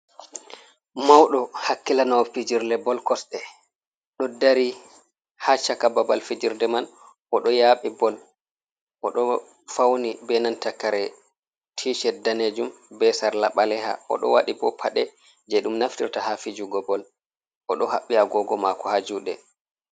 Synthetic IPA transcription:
mawɗɔhakːilanawɔfid͡ʒiɾlɛbɔlkɔsɗɛ | ɗɔdaɾi | hat͡ʃakababalfid͡ʒiɾdɛman | ʔɔɗɔjaɓibɔl | ʔɔɗɔ | fawnibɛnantakaɾɛ | tʰiʃɛdaned͡ʒumbɛsaɾlaɓalɛɦa̰ʔɔ̰ɗɔ̰wa̰ɗibɔ̰pʰaɗɛ | d͡ʒɛɗumnaftiɾtahafid͡ʒuɡɔbɔl | ʔɔɗɔhaɓːiaɡɔɡɔmakɔhad͡ʒuɗɛ

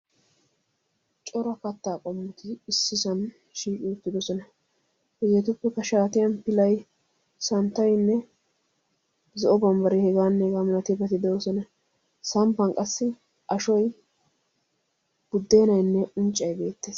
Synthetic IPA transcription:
t͡ʃʼɔɾɐkɐt̪ːaːkʼɔmːɪt̪ɪːsːɪsɐn | ʃiːkʼɪʊt̪ːɪd̪ɔsɔnɐ | ɛzet̪ʊpːɛkɐʃaːt̪ɪjɐnpɪlɐj | sɐnt̪ːɐjnːɛ | zɔʔɔbɐmbɐɾɪhɛɡaːnːɛhɛɡaːmnɐt̪ɪbɐt̪ɪd̪ɛɔsɔnɐ | sɐmpːɐnkʼɐsːɪ | ʔɐʃɔj | b̥ʊd̪ːe̞ːnɐjnːɛʔʊnt͡ʃʼːɐjbe̞ːt̪ːeːs

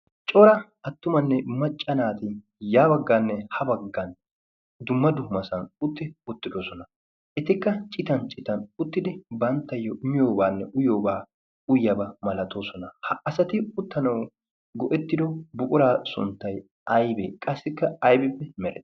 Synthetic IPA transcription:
t͡ʃʼɔɾɐ | ɐt̪ːʊmɐnːɛmɐt͡ʃʼːɐnaːt̪ɪ | jaːbɐɡːaːnːɛhɐbɐɡːɐn | d̪ʊmːɐd̪ʊhmɐsɐnʊt̪ːɪʊt̪ːɪd̪o̞ːsɔnɐ | ʔɛt̪ɪkːɐt͡ʃʼɪt̪ɐnt͡ʃʼɪt̪ɐnʊt̪ːɪd̪ɪbɐnt̪ːɐjːɔɪmɪjo̞ːbaːnːɛʔʊjo̞ːbaː | ʊjɐbɐmɐlɐt̪o̞ːsɔnɐhɐɐsɐt̪ɪʊt̪ːɐnɐw | ɡɔʔɛt̪ːɪd̪ɔbʊkʼʊɾaːsʊ̰nt̪ːɐj | ʔɐjbeːkʼɐsːɪkːɐɐjbɪpːɛmɛɾɛ

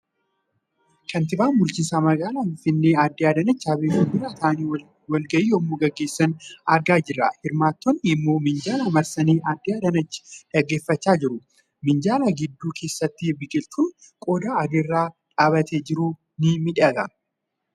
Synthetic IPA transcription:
kɐnt̪ɪbaːnmʊɾt͡ʃɪnsaːmɐɡaːlaːfɪfɪnːeːaːd̪ːɪaːd̪ɐnɐt͡ʃːaːbeːwɔbɪɾat̪aːniː | wɐlɡɐʔiːɔmːoːɡɐɡːe̞ːsːɐnɐɾɡaːd͡ʒɪrːɐ̰hɪɾmaːt̪ːɔnːɪɪmːo̞ːmɪnd͡ʒaːlamɐɾsɐniːʔaːd̪ːɪaːd̪ɐnɐt͡ʃːɪ̥ᶑɐɡːe̞ːfːɐt͡ʃːaːd͡ʒɪɾʊ | mɪnd͡ʒaːlaɡɪd̪ːuːkʰe̞ːsːɐt̪ːɪbɪkʼɪlt̪ʰʊn | kʼɔd̪aːɐd̪ɪrːaːᶑaːbɐt̪ʰeːd͡ʒɪɾuː | nɪmɪᶑɐɡ̪ɐ

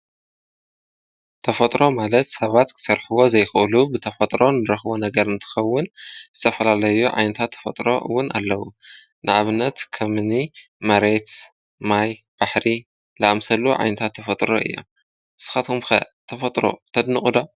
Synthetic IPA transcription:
t̪ʰɐfɐt̪ʼɾo̞malɐt̪sɐβat̪kʰɨ̥sɐɾħɨwo̞zɐjxɨʔɨlubɨt̪ʰɐfɐt̪ʼɾo̞nɨɾɐxbonɐɡɐɾɨnt̪ʰɨ̥xɐwːʊnzɨt̪ʰɐfɐlalɐjuʕa̰jnɐt̪ʰat̪ʰːɐ̥fɐt̪ʼɾo̞̰wʊna̰lːɐwu | nʔɨʔaβɨnːɐt̪kʰɐmɨni | mɐɾe̞t̪ | majb̥aħɾi | lɨʔamsɐluʕa̰jnɐt̪ʰat̪ʰːɐfɐt̪ʼɾo̞̰ʔɨ̰jːo̰m | ʔɨsɨ̥xat̪ʰomxɐ̰t̪ʰɐfɐt̪ʼɾo̞̰t̪ʰɐd̪nɨxʼud̪o

